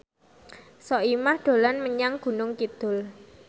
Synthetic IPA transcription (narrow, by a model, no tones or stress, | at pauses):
sɔimahd̪̥o̤lanməɲaŋɡ̥ṳnʊŋkid̪̥ʊl